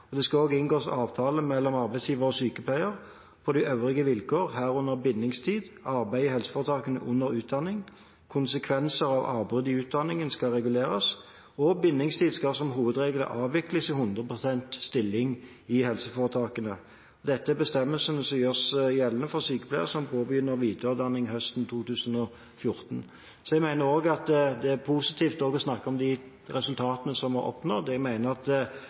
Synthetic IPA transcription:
ɔd̪ɛskɑoːɡɪnɡoːsɑːʋt̪ʰɑːləmɛlːɔmɑʁbæɪsjiːʋəɾɔsyːkəpʰlæɪəʁ | pʰɔd̪ɪʔøʋʁɪɡəʋɪlkʰoːʁɦæːʁʉnːəʁbɪnːɪŋst̪ʰiːd̪ɑʁbæɪɪhɛlsə̥fɔːʁət̪ʰɑːkənə̰ʔʊnːəɾʉːt̪̚d̪ɑnːɪŋ | kʰʊnsəkʰʋɛnsəʁɑʋɑ̰ːʁbʁʉd̪ɪʉːt̪̚d̪ɑnːɪŋənskɑʁɛɡʉleːʁɑs | ɔbɪnːɪŋst̪ʰiːd̪skɑsɔmɦuːʋəd̪ʁeːɡlə̰ʔɑːʋʋɪkləsɪhʉnd̪ʁəpʰʁʊsɛnt̪st̪ɪlːɪŋ | ɪhɛlsəfoːʁət̪ʰɑːkənə | ɔd̪ɛt̪ːəæbəst̪ɛmːəlsənəsɔmjøːʁsjɛlːənəfɔʁsyːkə̥pʰlæɪəsɔmpʰoːbəjʏnːəʁʋiːt̪ʰøːd̪ɑnːɪŋɦœst̪nt̪ʰuːt̪ʉːsənɔ | fjʊʁt̪n | sɔɛɡmæɪnəɾoːɡɑt̪d̪ɛæʁpʰusɪt̪ʰiːft̪ɔːɡɔsnɑkːəɔmd̪ɪ | ʁɛsʉlt̪ʰɑːt̪ənəsɔmɑɔ̰pnoːd̪ɛɡmæɪnəʁɑt̪

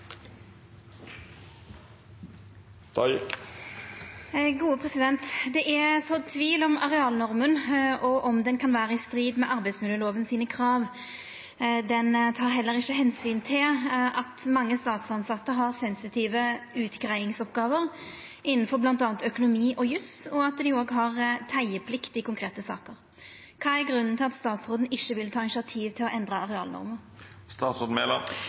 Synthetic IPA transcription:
ɡuːəpʰʁɛsɪd̪ɛnt̪d̪ɛʔɛsɔt̪ʰʋiːlɔmɑʁɛɑːlnɔʁmənɔʔɔmd̪ɛnkʰɑnʋæːɾəɪst̪ɾiːd̪mɛʔɑɾbæɪsmɪljəloːʋənsiːnəkʰʁɑːʋ | d̪ɛnt̪ʰɑːʁɦɛlːəɾɪçːəɦɛnsyːnt̪ʰɪlʔɑt̪mɑŋːəst̪ɑːt̪sɑnsɑt̪ːəɦɑʁsɛnsɪt̪ʰiːʋəʉːt̪ɡɾæɪɪŋsɔpɡɑːʋəʁ | ʔɪnn̩fɔɾblɑnt̪ɑːɑnt̪œkʊnʊmiːʔɔjʉsɔɑt̪d̪ɪoːɡɦɑʁt̪ʰæɪəpʰlɪkt̪ɪkʊŋkʰʁeːt̪əsɑ̰ːkəɾ | kʰɑːæɾɡʁʉnːn̩t̪ʰɪlɑt̪st̪ɑːt̪sʁoːd̪n̩ɪçːəʋɪlt̪ʰɑːɪnsɪɑt̪ʰiːʋt̪ʰɪlɔʔɛnd̪ʁəɑʁɛɑ̰ːlnɔ̰ɾməɾ | st̪ɑːt̪soːd̪n̩meːlɑ̰

